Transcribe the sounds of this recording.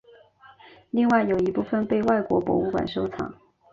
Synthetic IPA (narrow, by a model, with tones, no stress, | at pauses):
li˥˧ŋwa˥˩ɪjo˨˩ʊi˧˥pu˥˧fə˥˧npe˥˧ɪwa˥˩ɪkwɔ̰˧˥pwɔ̰˧˥u˥kwa̰˨˩nʂo˥ʊt͡sʰɑ̰˨˩˦ŋ